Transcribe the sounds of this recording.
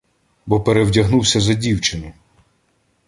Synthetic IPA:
bɔpeɾewdʲɐɦnuwsʲɐzɐdʲiwt͡ʃɪni

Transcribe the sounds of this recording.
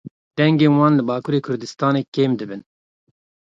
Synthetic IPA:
d̪̥ɛŋɡeːnwɑːnlɨbɑːkʰuːɾeːkʰʊɾd̪ɨst̪ɑːneːkeːmd̪ɨbɨn

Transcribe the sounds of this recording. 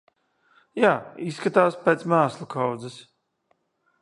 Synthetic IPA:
jaːisːkat̪aːspeːt̪smaːslˠukʰawd̪zɨs

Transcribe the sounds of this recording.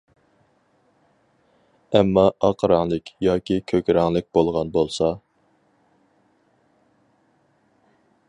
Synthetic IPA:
ɛmːɑɑqʰɾɑŋlˠɨkʲjɑːkʲikʲʰøkʲɾɑŋlˠɨk̚ʲb̥olˠʁɑnbolˠsɑ

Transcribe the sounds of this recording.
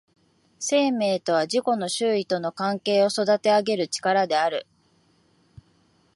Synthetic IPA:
se̞ːme̞ːt̪o̞β̞aʑiko̞no̞ɕɨːit̪o̞no̞kãŋke̞ːo̞so̞d̪at̪e̞aɡe̞ɾɯ̟t͡ɕi̥kaɾad̪e̞aɾɯ̟

